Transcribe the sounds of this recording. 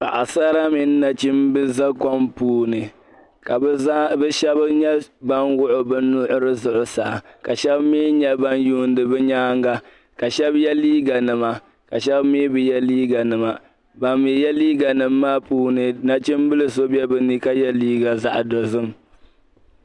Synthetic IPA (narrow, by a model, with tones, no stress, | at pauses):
pa̰˨ʔa˨sa˦ɾa˦mi˨nː˦a˨t͡ʃi˦mbɨ˦za˦kɔ˦mpuː˦˨nɨ˨ | ka˨˦a˦bɛ˦ʃɛ˦bɲɛ˦ba˦nwʊ˦ʔʊ˨bɨ˦nʊ˦ʔʊ˦ɾɨ˦zʊ˨ʔʊ˨sa˨ka˨ʃɛ˦bmiː˦ɲɛ˦ba˦njuː˦n˦dɨ˨bɛ˦ɲaː˦ŋɡa˦ | ka˨ʃɛ˦bjɛ˦liː˦ɡa˨nɨ˨ma˨ | ka˨ʃɛ˦bmiː˦bɨ˨jɛ˦liː˦ɡa˨nɨ˨ma˨ | ba˨mːi˨jɛ˦liː˦ɡa˨nɨ˨mːaː˦puː˦nɨ˨na˦t͡ʃi˦mbɨ˦lɨ˦so˦bɛ˦bɨ˨ni˦ka˦jɛ˦liː˦ɡa˨za˨ʔdo˨zɨ˦m